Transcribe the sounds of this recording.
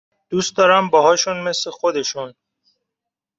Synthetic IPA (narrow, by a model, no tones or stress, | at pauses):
d̪̥uːst̪̚d̪ɒːɾæmbɒɦɒːʃunme̞slexod̪e̞ʃun